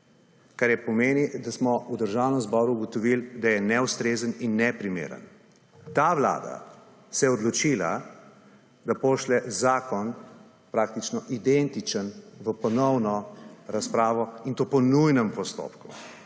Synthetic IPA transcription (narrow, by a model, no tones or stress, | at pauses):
kaɾjɛpɔmeːnid̪asmɔud̪əɾʒawnəmzbɔɾuːɡɔt̪ɔʋild̪ajɛnɛwst̪ɾeːzəninːɛpɾimḛːɾə̰n | t̪aʋla̰ːd̪a̰ | sɛjɛɔd̪lɔt͡ʃila̰ | d̪apoːʃlɛzaːkɔn | pɾak̚t̪it͡ʃnɔʔid̪ɛnt̪it͡ʃənʋəpɔnɔwnɔɾaspɾaːʋɔint̪opɔnujnəmpɔst̪o̰ːpku